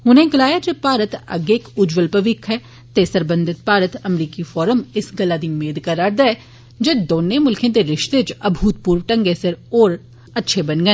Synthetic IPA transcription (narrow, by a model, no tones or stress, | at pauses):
ɦʊnẽːɡəlaːjaːd͡ʒeːpaːɾət̪ə̰ɡeːkʊd͡ʒʋəlpəʋɪkʰɦɛː | t̪esəɾbə̃nd̪ʱɪt̪̚paːɾət̪əmɾiːkifɔːɾəmɪsɡəlːaːd̪iːmeːd̪kəɾaːɾd̪aɛ | d͡ʒeːd̪oːnẽmʊlkʰẽːt̪eɾɪʃt̪et͡ʃəbʱuːt̪̚puːɾʋʈəŋɡesɪɾoːɾ | ətːʃʰebənɡɛ̃